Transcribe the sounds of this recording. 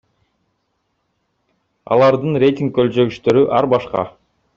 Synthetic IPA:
ɑ̰lˠɑɾd̪ɯnɾʲe̞jt̪ʲiŋkkːølt͡ʃø̞ɡyʃt̪ø̞ɾyʔɑɾbɑʃqɑ̰

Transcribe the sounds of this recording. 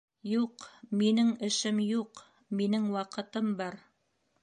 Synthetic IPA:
juqminɘŋɘ̆ʃɘmjuq | minɘŋwɑqɤ̆t̪ɤmbɑɾ

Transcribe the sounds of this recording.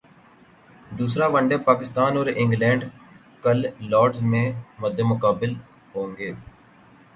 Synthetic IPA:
d̪uːs̬ɾaːʋəɳɖeːpaːkɪst̪aːnɔːɾɪ̃ŋɡlɛ̃ːɳɖ | kəlːɔːɖzmẽːməd̪ʱemʊkaːbɪl | ɦõːŋɡeː

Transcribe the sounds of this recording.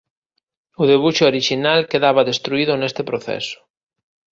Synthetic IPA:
ʊðeβuʃooɾiʃinalkeðaβaðest̪ɾuiðʊnest̪epɾoθɛ̰sʊ̥

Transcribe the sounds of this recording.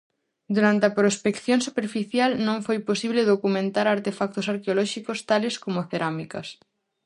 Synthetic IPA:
d̪uɾant̪eɐpɾospekθjõŋsupeɾfiθjalnõŋfojposiβleðokumẽnt̪aɾaɾt̪efak̚t̪osaɾkeolɔʃikost̪aleskomoθeɾamikɐs

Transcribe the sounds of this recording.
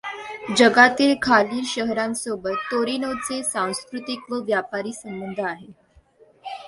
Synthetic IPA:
d͡ʑəɡat̪iːlkʰaliːɾɕəɦɾãnsobət̪ːoɾinot͡sesãw̃skɾut̪ikʋəʋjapaɾiːsəmbənd̪ʱəaɦe

